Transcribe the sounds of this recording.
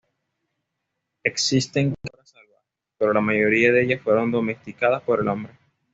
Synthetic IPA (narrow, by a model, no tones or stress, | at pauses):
e̞ksist̪e̞ŋkkaɾasalβa | pe̞ɾo̞lamaʝo̞ɾiaðeeʝasfwe̞ɾo̞nd̪o̞me̞st̪ikað̞aspo̞ɾe̞lo̞mbɾe̞